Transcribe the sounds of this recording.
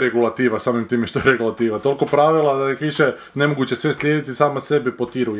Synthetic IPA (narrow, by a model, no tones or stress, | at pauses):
ɾeɡulat̪iːʋasaːmimt̪iːmeʃt̪ojeɾeɡulat̪iːʋat̪o̞lko̞pɾaʋilad̪akiʃe | ne̞moɡut͡ɕe̞sʋe̞slʲjeːd̪it̪isaːmase̞bipot̪iɾu